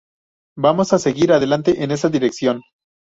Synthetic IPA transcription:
bamo̞sase̞ɣiɾaðe̞lant̪eʔene̞s̬aðiɾe̞ksjo̞n

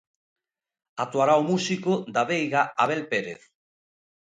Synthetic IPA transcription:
at̪waɾaomusikʊd̪aβejɣaaβ̞elpeɾḛθ

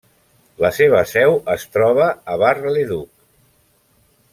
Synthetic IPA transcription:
ləseβ̞əsɛwəst̪ɾɔβ̞əːβarleðuk̚

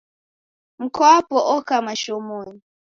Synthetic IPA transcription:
ŋ̩kʰapɔʔɔkamaʃɔmoːni

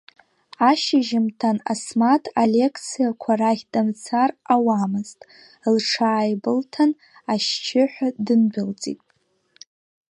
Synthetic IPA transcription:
aʃɪʒɪmtʰanasmatʰalekʰt͡sʰijakʷʰaraɣʲdamt͡sʰarawamɨztʼ | lʈ͡ʂʰaːjbɨltʰan | aʃt͡ʃʰɪħʷᶣadɨnbʊlt͡sʼḭtʼ

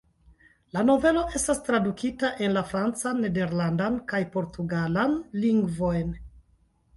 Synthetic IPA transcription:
lano̞ve̞lo̞ʔe̞stastɾadukitaʔe̞nlafɾant͡sanːe̞de̞ɾlandankajpo̞ɾtuɡalanliŋɡvo̞jn

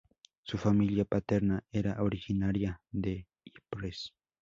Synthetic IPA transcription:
sufamiljapat̪eɾnaeɾaʔoɾixinaɾjad̪e | ipɾes

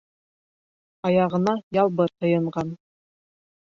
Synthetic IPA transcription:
ɑjɑʁɤ̆nɑjɑlˠbɤɾt̪ɤ̆jɤ̆ɴʁɑn

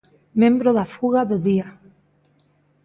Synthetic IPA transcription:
mẽmbɾoðafuɣaðoðia

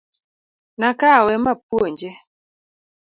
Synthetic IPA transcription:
nakawɛmap̚woɲd͡ʒe

